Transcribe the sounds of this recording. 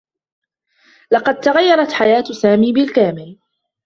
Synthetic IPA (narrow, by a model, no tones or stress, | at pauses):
lɑqɑd̪̚t̪aɣajːɑɾˤɑt̪ħajaːt̪saːmiːbɪlkaːmɪl